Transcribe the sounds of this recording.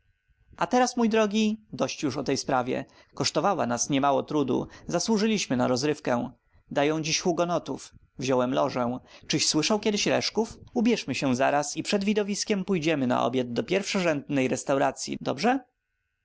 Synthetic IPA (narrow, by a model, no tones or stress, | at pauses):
at̪ɛɾasmujd̪ɾɔɡʲid̪ɔɕt͡ɕjuʂɔt̪ɛjspɾavʲjɛ̰ | kɔʂt̪ɔvawa̰nasɲɛmawɔt̪ɾud̪ṵzaswuʐɘlʲiɕmɘnaɾɔzɾɘfkɛ̃ | d̪ajɔ̃w̃d͡ʑiɕxuɡɔnɔt̪uf | vʑɔwɛmlɔʐɛw̃t͡ʂɘɕswɘʂawkʲɛd̪ɘɕɾɛ̰ʂkufubʲjɛʂmɘɕɛza̰ɾasipʂɛd̪vʲid̪ɔvʲiskʲɛmpujd͡ʑɛmɘna̰ʔɔ̰bʲad̪̚d̪ɔpʲjɛɾfʂɔʐɛnd̪nɛjɾɛst̪awɾat̪sʲjḭd̪ɔ̰bʐɛ